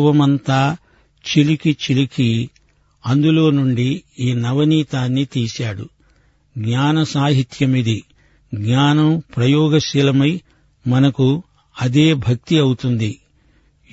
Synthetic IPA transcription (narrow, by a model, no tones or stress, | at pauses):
ʋɐmɐnt̪aː | t͡ʃilikit͡ʃiliki | ɐnd̪ulo̞ːnuɳɖiiːnɐʋɐniːt̪aːnːit̪iːsaːɽu | ɡɲaːnɐsaːɦit̪jɐmid̪i | ɡɲaːnɐmpɾɐjɔːɡɐʃilɐmɐj | mɐnɐku | ɐd̪e̞ːbʱɐk̚t̪iɐwut̪und̪i